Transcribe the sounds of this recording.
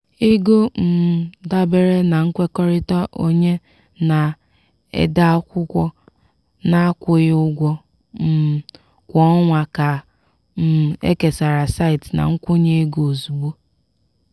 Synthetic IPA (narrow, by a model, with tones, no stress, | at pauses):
i˦ɡo˦m̩˨da˦be˨ɾe˦na˨ŋ̩˦kʷe˦kɔ˦ɾɪ˦ta˦ʔo˦ɲe˦ | na˨ | ḛ˦da˦a˦kʷʊ˦kʷɔ˦ | na˦a˦kʷʊ˦jɪ˦ʊ˦ɡʷɔ˦ | m̩˦˨ | kʷɔ˦ŋʷa˨ka˨ | m̩˨ḛ˦ke˨sa˨ɾa˨sa˦ɪ˨tna̰˨ŋ̩˦kʷʊ˦ɲe˦e˦ɡo˨o˨zu˨ɡ͡bo˦